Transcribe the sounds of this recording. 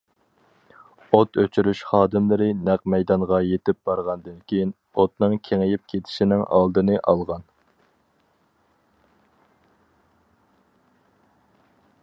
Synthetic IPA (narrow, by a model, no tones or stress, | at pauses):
ot̪øt͡ʃʰyɾyʃχɑːd̪ɨmlɪɾɪnæq̚mɛjd̪ɑɴʁɑjet̪ɪp̚b̥ɑɾʁɑnd̪ɨnkʲʰejin | ot̪̚nɨŋkʲʰeŋɪjɪp̚kʲʰet̪ʰɪ̥ʃinɪŋʔɑ̰lˠd̪ɨnɨʔɑlˠʁɑn